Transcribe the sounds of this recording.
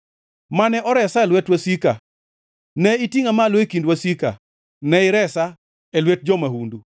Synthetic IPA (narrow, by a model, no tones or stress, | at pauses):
manɛʔɔɾɛsaɛlwɛtwasika | nɛitiŋamalwekindwasika̰ | nɛɪɾɛsa | ɛlwet̚d͡ʒɔmahundu